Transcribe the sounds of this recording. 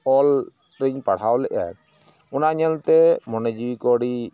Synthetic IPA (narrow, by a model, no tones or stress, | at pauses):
ɔl | ɾiɲpaɽ̤awlɛʔa̰ | ʊnaɲɛlt̪ɛmɔnɛd͡ʒiikɔɽi